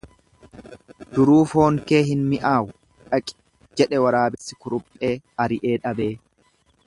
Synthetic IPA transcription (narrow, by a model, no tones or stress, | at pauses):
d̪̥ʊɾuːfo̞ːŋke̞ːɦɪnmɪʔaːwʊ | ᶑɐkʼɪ̥ | d͡ʒɛᶑɛwɐɾaːbɪsːɪkʊɾʊpʼːe̞ːɐɾɪʔeːᶑɐbe̞ː